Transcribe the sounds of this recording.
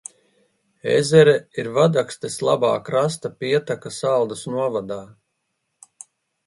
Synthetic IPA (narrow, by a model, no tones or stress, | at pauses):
ḛzɛɾɛiɾvad̪akst̪eslˠaba̰ːkɾas̬t̪apiɛt̪akasalˠd̪usnuɔvad̪aː